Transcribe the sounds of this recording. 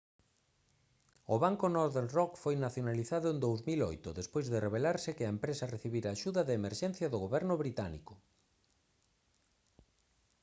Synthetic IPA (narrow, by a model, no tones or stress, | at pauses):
ʊβaŋkonoɾðeɾrɔkfojnaθjonaliθaðʊend̪owzmilo̰jt̪ʊðespojzðɪreβ̞elaɾsɪkɪɐempɾesɐreθiβiɾaːʃuðɐðeemeɾʃɛn̟θjɐðʊɣoβɛɾnʊβɾit̪anḭkʊ